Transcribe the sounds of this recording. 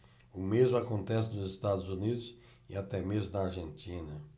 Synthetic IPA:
ʊmezmʊakõnt̪ɛsɪnʊzɪst̪ad̪ʊzunid̪ʊs | ɪ̰at̪ɛmezmʊnɐaɾʒẽnt̪ĩnɐ

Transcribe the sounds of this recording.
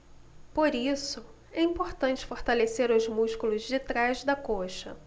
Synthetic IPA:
poɾisʊ | ɛĩpoɾt̪ɐ̃nt͡ʃɪ̥foɾt̪aleseɾʊzmuʃkulʊzd͡ʒɪt̪ɾazd̪ɐkoʃɐ̰

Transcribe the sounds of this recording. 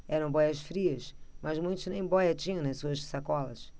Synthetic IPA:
ɛɾɐ̃w̃bɔjɐsfɾiɐsmɐzmũj̃t̪ʊznẽj̃bɔjɐt͡ʃĩɲɐ̃nɐsuɐʃsakɔlɐs

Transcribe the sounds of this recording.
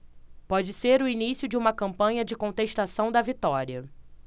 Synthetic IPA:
pɔd͡ʒɪseɾʊinisjʊd͡ʒɪũmɐkɐ̃mpɐ̃ɲɐd͡ʒɪkõt̪eʃt̪asɐ̃w̃d̪ɐvit̪ɔɾiɐ

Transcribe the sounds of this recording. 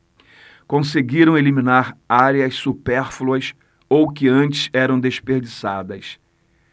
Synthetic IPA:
kõseɡiɾɐ̃w̃elimĩnaɾaɾeɐssupɛɾfluɐs | owkɪɐ̃nt͡ʃɪ̥sɛɾɐ̃w̃d̪eʃpeɾd͡ʒisad̪ɐs

